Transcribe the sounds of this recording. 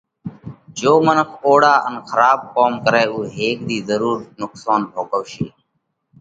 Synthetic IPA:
d͡ʒoːmənəkʰoːɽaːʔənxʰəɾaːb̚koːmkəɾeːuːɦeːk̚d̪iːzəɾuːɾnʊksaːnbʱoːkəʋʃeː

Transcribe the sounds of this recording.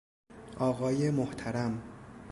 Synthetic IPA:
ʔɒːɣɒːjemoht̪ʰæɾæm

